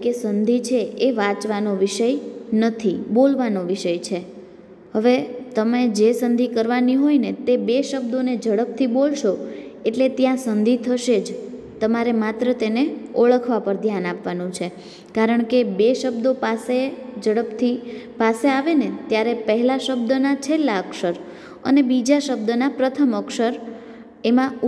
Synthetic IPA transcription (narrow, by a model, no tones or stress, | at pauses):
kesənd̪ʱit͡ʃʰeeʋãt͡ʃʋanoʋiʃəjnət̪ʰibolʋanoʋiʃəjt͡ʃʰe | ɦəʋet̪əmed͡ʒesənd̪ʱikəɾʋaniɦojnet̪ebeʃəbd̪oned͡ʒəɽəp̚t̪ʰibolʃo | eʈlet̪jãsənd̪ʱit̪ʰəʃed͡ʒ | t̪əmaɾemat̪ɾət̪eneoɭəkʰʋapəɾd̪ʱjanapʋanũt͡ʃʰe | kaɾəɳ̃kebeʃəbd̪opased͡ʒəɽəpt̪ʰipaseaʋenet̪jaɾepəɦɛlaʃəbd̪ənat͡ʃʰelːaəkʃəɾ | ə̰nebid͡ʒaʃəb̚d̪ənapɾət̪ʰəməkʃəɾ | emã